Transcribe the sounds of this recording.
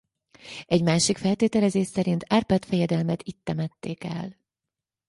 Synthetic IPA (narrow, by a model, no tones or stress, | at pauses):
ɛɟmaːʃikfɛlt̪eːt̪ɛlɛzeːʃsɛɾint̪ʰarpat̪fɛjɛd̪ɛlmɛt̪it̪ːɛmɛt̪ːeːkɛ̰l